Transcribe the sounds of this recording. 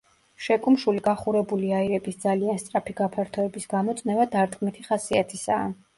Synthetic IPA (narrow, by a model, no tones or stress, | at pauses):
ʃɛkʼumʃuliɡaχuɾɛbuliaiɾɛbisd̪zalianst̪ʼɾapʰiɡapʰaɾt̪ʰɔɛbisɡ̥amɔt̪sʼnɛvad̪aɾt̪ɡmɛt̪ʰiχasiat̪ʰisa̰ː